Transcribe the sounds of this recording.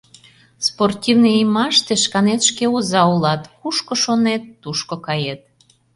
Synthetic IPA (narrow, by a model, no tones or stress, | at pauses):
sport̪ʲivniimɑʃt̪eʃkɑnet̪ʃkeuzɑulɑt̪xuʃkoʃonet̪ːuʃkokɑjet̪̚